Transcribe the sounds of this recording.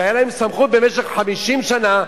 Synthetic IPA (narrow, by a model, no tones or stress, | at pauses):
ajalaemsamχut̪̚be̞meʃeχħamiʃimʃana